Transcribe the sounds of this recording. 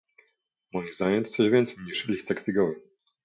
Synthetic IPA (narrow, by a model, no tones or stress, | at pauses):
mɔjizajɛnt̪t̪sɔʑvʲɛnt̪sɛjɲiʂlʲist̪sakfʲiɡɔvɘ